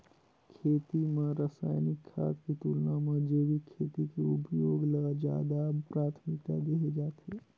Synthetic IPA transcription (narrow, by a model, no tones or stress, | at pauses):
kʰeːt̪imẽɾəsaːɪnɪkʰːa̰ːt̪kit̪uːlnamə̃d͡ʒeːʋikʰːeːt̪ikeʊpjoːɡləɡd͡ʒa̰ːd̪apɾaːt̪ʰmɪk̚t̪ad̪eɦed͡ʒaːt̪eː